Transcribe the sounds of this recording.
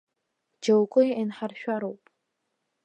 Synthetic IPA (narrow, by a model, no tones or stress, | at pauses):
d͡ʒowkʼʊjanħarʃᶣaɾowpʼ